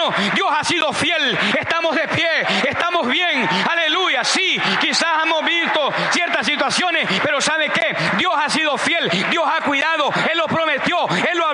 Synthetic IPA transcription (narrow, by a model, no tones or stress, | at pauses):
o | d̪jo̞sasiðo̞fje̞l | est̪amozðe̞pjeest̪amozβje̞ŋale̞lujasikisasemozβist̪o | sjeɾt̪asit̪wasjo̞nespe̞ɾo̞saβeke | d̪jo̞sasiðo̞fje̞ld̪jo̞sakwiðaðoe̞lːo̞pɾo̞met̪jo̞e̞lːoa